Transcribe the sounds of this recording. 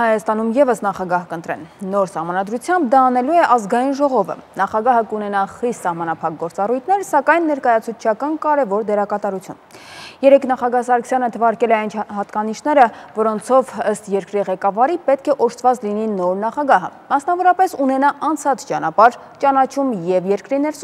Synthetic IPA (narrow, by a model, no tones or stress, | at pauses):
hɑjɑst̪ɑnumjɛvəsnɑχɑɡɑhkənt̪ɾɛ̰nːɔɾsɑhmɑnɑd̪ɾut͡sʰjɑmb̚d̪ɑːnɛluɛʔɑzɡɑjinʒɔʁɔvə̰nɑχɑɡɑɦəkunɛnɑχist̪sɑhmɑnɑpʰɑk̚ɡɔɾt͡sɑrujt̪ʰnɛɾsɑkɑjnːɛɾkɑjɑt͡sʰut͡sʰt͡ʃʰɑkɑnkɑɾɛvɔɾd̪ɛɾɑkɑt̪ɑɾut͡sʰjṵn | jɛɾɛkʰnɑχɑɡɑhsɑɾkʰsjɑnət̪ʰəvɑɾkɛlɛɑjnt͡ʃʰɦɑt̪kɑniʃnɛɾəvɔɾɔnt͡sʰɔvəst̪jɛɾkɾiʁɛkɑvɑɾipɛt̪̚kʰɛʔɔʃt̪ʰvɑt͡slininɔɾnɑχɑɡɑɦə̰mɑsnɑvɔɾɑpɛsunɛnɑʔɑnt͡sʰɑt͡sʰt͡ʃɑnɑpɑɾ | t͡ʃɑnɑt͡ʃʰumjɛvjɛɾkɾinɛɾs